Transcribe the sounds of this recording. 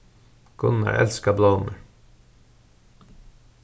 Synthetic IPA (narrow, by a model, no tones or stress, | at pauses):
kʰʊnɑ̰ʔɛlskɑblɑːʊmʉɹ